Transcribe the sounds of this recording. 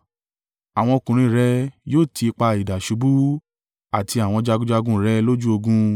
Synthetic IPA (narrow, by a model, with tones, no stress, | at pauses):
a˨w̃ɔ̃˧o˧kũ˨ɾ̃ĩ˧ɾɛ˦joː˦˨tʰi˧k͡pa˧i˨da˨ʃu˨˧˦bu˦ | a˦˨tʰi˧a˨w̃ɔ̃˧d͡ʒa˧ɡũ˦d͡ʒa˧ɡũ˦ɾɛ˨˦lo˦d͡ʒu˦o˧ɡũ˦